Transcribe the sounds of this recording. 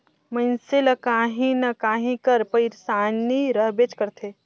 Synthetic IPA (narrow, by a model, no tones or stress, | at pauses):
mənseləkaːɦĩnɐkaːɦĩkəɾpəɪɾsaːniɾəɦbet͡ʃkəɾt̪ʰe